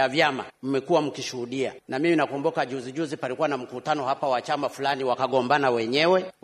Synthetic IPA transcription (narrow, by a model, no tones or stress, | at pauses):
avjama̰m̩mɛkuwam̩kiʃuhuɗia̰namiminakɔmbukaʄuziʄuzipalikuwanam̩kutanɔhapawat͡ʃamafulaniwakaɠɔmbanawɛɲɛwɛ